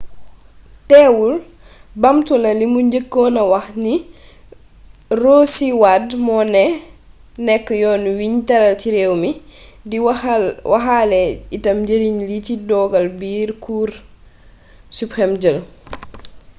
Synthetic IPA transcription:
tɛːwul | bamtulɐlimuɲɟəkːɔːnɐwɐxni | roːsiwadmɔnɛ | nɛkːjɔːnwiɲtɐɾɐltiɾɛwmi | diwɐɦalɛitɐmɟəɾiɲlicidɔːɡɐlbiːɾkuːɾ | supɾɛmd͡ʒəl

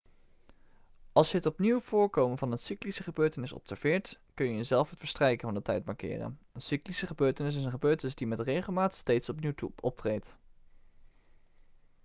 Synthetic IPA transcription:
ʔɑlˠsjəɦətɔpniwv̥ʊːɹkowmənvɑnɦətsiklisəχəbøːɹtənɪsɔ̰psɛɹv̥ɪːɹtkɵnjəjəzɛlˠfɦətfəɹstrɛjkənvɑndətɛjt̚mɑɹkɪ̰ːrə̰nənsiklisəχəbøːɹtənɪs̬ɪsənχəbøːɹtənɪsdimɛtrejχəlˠmaːtstejtsɔpniwtuɔp̚trejt

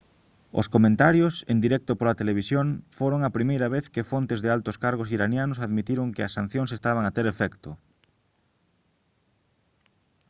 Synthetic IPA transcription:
ʊ̰skomẽnt̪aɾjosend̪iɾɛk̚t̪opolat̪eleβ̞isjoŋfoɾoŋɐpɾimejɾɐβeθkɪfont̪ezðɪalt̪oskaɾɣosiɾanjanʊsaðmit̪iɾoŋkɪɐsːan̟θjoŋs̬est̪aβ̞aŋat̪eɾefɛkt̪ʊ

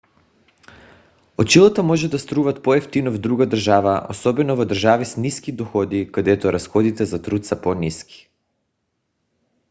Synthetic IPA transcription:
ot͡ʃilˠat̪amɔʒɛd̪ast̪ɾuvat̪̚pɔɛft̪inɔvd̪ɾuɡad̪rʒavaʔo̰sɔbɛnɔvɔd̪r̩ʒavisniskid̪ɔxɔd̪ikad̪ɛt̪ɔɾʔasxɔd̪it̪ɛzat̪ɾut̪sapɔniski̥

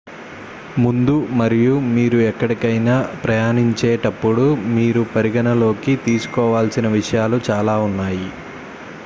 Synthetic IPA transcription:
mund̪umɐɾijumiːɾuɛkːɐɽikɐjnaːpɾɐjaːniɲt͡ʃeːʈɐpːuɽumiːɾupɐɾiɡɐnɐlo̞ːkit̪iːsu̥kɔːʋaːlsinɐʋiʂɐjaːlut͡ʃaːlaːunːaːji

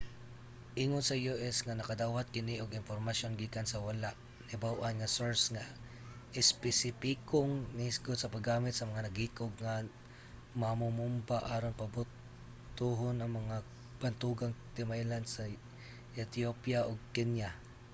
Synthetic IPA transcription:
ʔiŋonsɐjuʔɛsŋanɐkɐd̪aːwat̪̚kɪniʔʊɡɪnpoɾmɐsjonɡiːkansɐwɐlaʔ | nɪbawʔanŋasoɹsŋa | ʔɪspɛsɪpikoŋnɪɪsɡʊt̪̚sɐpaɡaːmɪt̪̚sɐmɐŋanɐɡiːkoɡŋa | mamʊmumbaʔaːɾoŋpɐbʊt̪ː | uɦonɐŋmɐŋa | b̥ɐnt̪uɡaŋt̪ɪmajland̪sɐ | ɛt̪opjaʔoɡ̚kɛnja

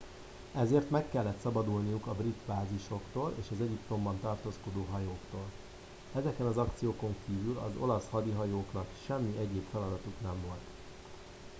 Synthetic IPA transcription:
ɛzeːrt̪mɛkːɛlːɛt̪sɒbɒd̪ulnijukɒbrit̪baːziʃo̞kt̪oːlḛːʃɒzɛɟipt̪o̞mbɒnt̪ɒrt̪oːsko̞d̪oːɦɒjoːkt̪oːl | ɛzɛkɛnɒzɒkt̪sijoːko̞ŋkiːvylɒ̰zo̞̰lɒshɒd̪iɦɒjoːknɒkʃɛmːiʔɛɟeːpfɛlɒd̪ɒt̪uknɛɱvo̞lt̪

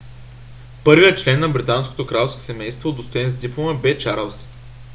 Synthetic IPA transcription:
pɤɾvijət͡ʃlɛnːɐbɾit̪ansko̥t̪okɾalˠfsko̥sɛmɛjst̪vod̪ost̪oɛnzd̪iplˠoməbɛt͡ʃaɾəlˠs

